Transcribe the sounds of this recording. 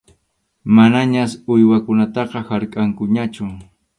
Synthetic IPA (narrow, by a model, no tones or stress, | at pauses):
manaɲasʊjwakʊnat̪ɑqɑhaɾkʼaŋkʊɲat͡ʃʊ